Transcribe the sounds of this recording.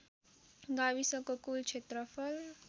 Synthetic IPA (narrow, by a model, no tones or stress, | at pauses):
ɡabisʌkokult͡ʃʰet̪ɾʌpʰʌl